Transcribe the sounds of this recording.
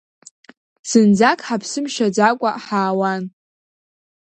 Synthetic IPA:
sɨnd͡zakʼħapʰsɨmʃad͡zakʷʼaħaːwan

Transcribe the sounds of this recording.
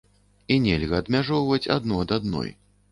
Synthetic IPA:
inʲɛlʲɣɐːd̪mʲaʐɔwvɐt͡sʲa̰d̪nuɐd̪ad̪̚nɔ̰j

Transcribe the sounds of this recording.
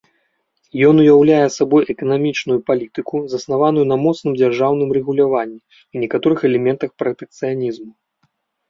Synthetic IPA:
jɔnujawlʲajɛsabɔjʔɛkɐnamʲit͡ʂnujupalʲit̪ɨkuzɐsnavanujunɐmɔt̪snɨmd͡zʲarʐawn̪ɨmrɛɣulʲavanʲːi | inʲɛkat̪ɔɾɨxɛlʲɛmʲɛnt̪ɐxpɾɐt̪ɛk̚t̪sɨjanʲizmu

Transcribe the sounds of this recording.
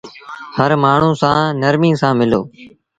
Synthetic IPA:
həɾmaːɳ̤ũːsãːnəɾmĩːsãːmɪlo̰ː

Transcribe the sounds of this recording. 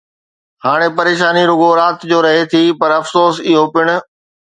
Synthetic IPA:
haːɽ̃epɐɾeːʃaːniɾʊɡoɾaːt̪d͡ʑoːɾɐɦet̪ʰipɐɾɐfsoːsɪɦopɪɽ̃ʊ̆

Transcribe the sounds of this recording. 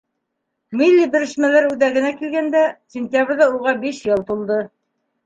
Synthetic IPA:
mʲilʲːibɘ̆ɾɘ̆ʃmælæɾʉðæɡɘ̆nækilɡænd̪æsʲɪnʲt̪ʲjabɾʲðɑuʁɑbiʃjɤ̆lˠt̪ulˠd̪ɤ

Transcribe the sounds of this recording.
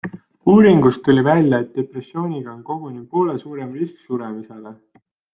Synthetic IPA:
uːɾiŋɡ̥ust̪ːulʲivælʲjɑet̪̚d̪̥e̞pre̞sːjo̞ːnʲiɡ̥ɑonko̞ɡ̥unipo̞ːlesuːɾe̞mrisksuɾemise̞le̞

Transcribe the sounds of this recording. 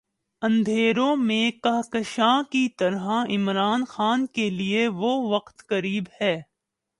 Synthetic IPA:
ɐ̃nd̪ʱeːɾõmẽkɐɦkəʃãːkit̪ɐɾɦaɪmɾaːnxaːnkelieʋoʋɐqt̪kɐɾiːbhɛː

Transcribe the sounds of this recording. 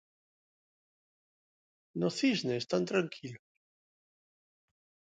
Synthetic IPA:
noθizneːst̪ant̪ɾaŋkʰilos

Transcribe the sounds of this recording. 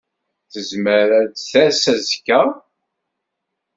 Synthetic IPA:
θəzməɾæd̪θæsæzkːæ

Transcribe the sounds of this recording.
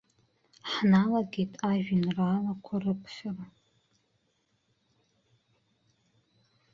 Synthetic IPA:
ħnalaɡʲejtʼʰaʒᶣinralakʷʰarɨpʰʃara

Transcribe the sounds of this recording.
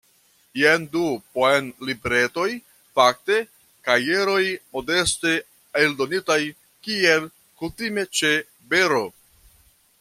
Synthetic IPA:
jendupoenlibeɾe̞to̞j | fak̚te̞ | kaje̞ɾo̞jmo̞de̞ste | eldo̞nitaj | kie̞l | kutime̞t͡ʃe̞ | be̞ɾo̞

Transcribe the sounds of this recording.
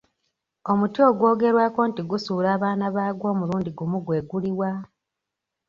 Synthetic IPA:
o̞mutio̞ɡwo̞ːɡe̞ɾwaːko̞ːntiɡusuːɾaːβaːnaβaːɡwo̞ːmuluːndiɡumuɡwe̞ːɡuliwa

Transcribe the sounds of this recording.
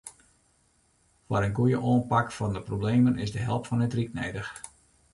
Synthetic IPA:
fwaɾənɡujəʔoːənpakfɔndəprobleːmənɪzdəɦɛlˠpfɔnɪtrik̚nɛjdəx

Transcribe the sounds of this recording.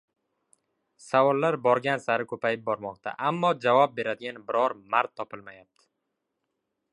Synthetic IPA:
savɒlːaɾbɒɾɡʲansaɾɪkʰɵpʰajɪp̚bɒɾmɒqt̪ʰa̰ʔamːɒd͡ʒavɒp̚be̞ɾad̪ɪɡʲanbɪɾɒɾmaɾt̪ʰːɒpʰɪlmajap̚t̪ʰɪ̥

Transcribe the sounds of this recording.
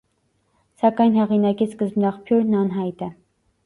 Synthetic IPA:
sɑkɑjnhɛʁinɑkiskəzbnɑχpʰjuɾnɑnɦɑjt̪ɛ

